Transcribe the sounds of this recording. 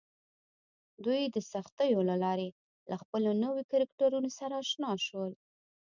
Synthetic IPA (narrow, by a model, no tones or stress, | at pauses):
d̪ujd̪əsaxt̪əjolalɑɾe | laxpəlonəwekaɾakʈaɾunosaɾaːʃnɑʃwəl